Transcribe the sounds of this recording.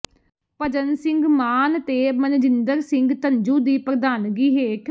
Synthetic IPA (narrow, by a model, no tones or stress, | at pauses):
pəd͡ʒənsɪ̃ŋɡmaːnt̪eːmənd͡ʒɪnd̪əɾsɪ̃ŋɡt̪ənd͡ʒũːd̪iːpəkd̪aːnɡiːɦeːkʰ